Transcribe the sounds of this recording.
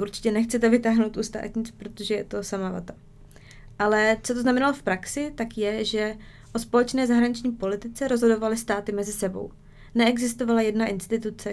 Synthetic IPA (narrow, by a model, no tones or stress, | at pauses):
ʔuɾt͡ʃɪ̥cɛnɛxt͡sɛt̪ɛvɪt̪aːɦnowt̪ʔust̪a̰ːt̪ɲɪt͡spɾo̞t̪o̞ʒɛjɛt̪o̞samala̰t̪ḁ | ʔalɛt͡sot̪oznamɛnalofpɾaksɪt̪akjɛʒɛ | ʔo̞spo̞lɛt͡ʃnɛːzaɦɾaɲɪt͡ʃɲiːpo̞lɪt̪ɪt͡sɛɾo̞zɦodo̞valɪst̪aːt̪ɪmɛzɪsɛbo̞̰w | nɛɛɡzɪst̪o̞valajɛdnaʔɪnst̪ɪt̪ut͡sɛ